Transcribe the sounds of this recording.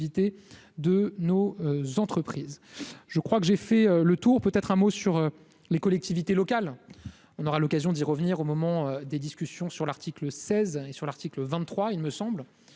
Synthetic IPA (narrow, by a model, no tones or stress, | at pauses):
vit̪e | d̪ənozɑ̃t̪χəpχiːzʒəkχwakəʒefɛølət̪uʁpøt̪ɛt̪χɛ̃mosyʁø | lekɔlɛk̚t̪ivit̪elɔkal | ɔ̃nɔʁalɔkazjɔ̃d̪iʁəvniʁomɔmɑ̃ød̪ed̪iskʲysjɔ̃syʁlaʁt̪ikləsɛzesyʁlaʁt̪ikləvɛ̃nːχwailməsɑ̃bl